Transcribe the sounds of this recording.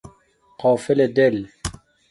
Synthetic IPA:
qɑːfɪled̪ɛl

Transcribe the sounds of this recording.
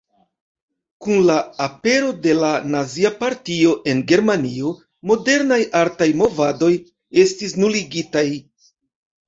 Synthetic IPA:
kunlaːpe̞ɾo̞de̞lanaziapaɾtio̞ʔe̞nɡe̞ɾmanio̞ | mo̞de̞ɾnajʔaɾtajmo̞vado̞j | e̞stis̬nuliɡitaj

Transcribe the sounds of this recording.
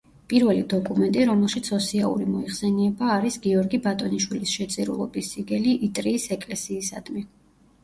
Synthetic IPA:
pʼiɾvɛlid̪ɔkʼumɛnt̪ʼiɾɔmɛlˠʃit̪sʰɔsiaṵɾimɔiχsɛniɛbaːɾisɡiɔɾɡibat̪ʼɔniʃwilisʃɛt̪sʼiɾṵlˠɔ̰bisiɡɛliʔit̪ʼɾiːsɛkʼlɛsiːsa̰d̪mi

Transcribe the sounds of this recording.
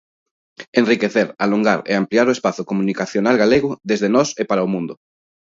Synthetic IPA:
enrikeθeɾaloŋɡaɾḛampliaɾoespaθʊkomũnikaθjonalɣaleɣʊðezðenɔsepaɾaomũnd̪ʊ

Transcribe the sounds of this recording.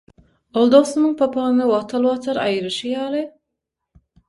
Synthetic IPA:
olˠd̪oʁsumɯŋpʰɑpʰɑnɯnɯwɑt̪ʰɑlˠwɑt̪ʰɑɾɑ̰jɯɾɯʃɯjɑːlˠɨ

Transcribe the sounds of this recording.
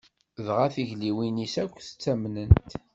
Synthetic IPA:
ðʁaθiʝliwinisækʷːθə̥t͡sːæmnənt̪

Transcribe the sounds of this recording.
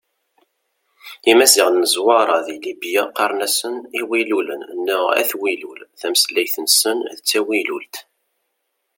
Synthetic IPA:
imæsiʁnːəzwɑɾˤɑðilibijaqɑɾˤnæsəniwilulənənːʊʁæ̰θwilulθæmslæjθənsənðət͡sːæwilult̪

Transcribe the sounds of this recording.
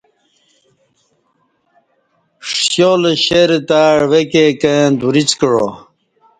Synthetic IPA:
ʂjolɕeɾet̪aːɻʋekeked̪uɾit͡skəɻo̰

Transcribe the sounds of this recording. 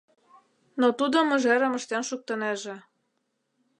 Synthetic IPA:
not̪ud̪ɤ̆mə̆ʒæɾə̆mə̆ʃt̪ænʃuk̚t̪ɤ̆neʒĕ

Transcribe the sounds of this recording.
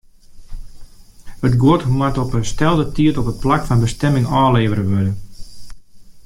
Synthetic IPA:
ətɡwoəthumatɔpənstɛlˠdətiətɔpət̚plakfanbəstɛmɪŋɔːleːʋəɾəʋødən

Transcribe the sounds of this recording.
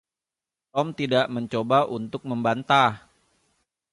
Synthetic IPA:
t̪ɔmt̪idaʔməɲt͡ʃobaʔunt̪ʊk̚məmbant̪ah

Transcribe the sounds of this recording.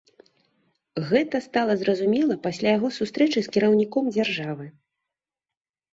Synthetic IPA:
ɣɛt̪ɐst̪alˠɐzrɐzumʲɛlˠɐpasʲlʲajaɣɔsust̪ɾɛt͡ʂɨskʲiɾɐwnʲikɔmd͡zʲarʐavɨ

